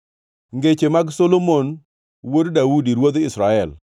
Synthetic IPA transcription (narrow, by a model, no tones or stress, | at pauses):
ŋɡet͡ʃemaɡsolomon | woddaudiɾwod̪ɪsɾaɛl